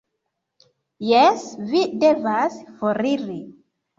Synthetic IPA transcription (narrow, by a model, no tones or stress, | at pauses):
jesvide̞vasfoɾiɾi